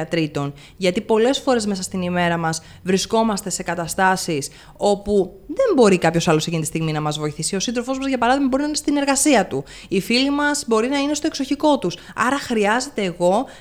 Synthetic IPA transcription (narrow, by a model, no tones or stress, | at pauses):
ɐt̪ɾit̪o̞n | ʝɐt̪ipo̞le̞sfo̞ɾe̞zme̞sɐst̪inime̞ɾɐmɐz | vɾisko̞mɐst̪e̞se̞kɐt̪ɐst̪ɐsis | o̞pu | ðe̞mbo̞ɾikɐpço̞sɐlo̞secint̪ist̪iɣminɐmɐzvo̞iθisio̞sinðɾofo̞zmɐzʝɐpɐɾɐðiɣmɐbo̞ɾinɐinest̪ine̞ɾɣɐsiɐt̪u | ifilimɐzbo̞ɾinɐine̞st̪o̞e̞kso̞çiko̞t̪usɐ̰ɾɐxɾiɐze̞t̪e̞ːɣo̞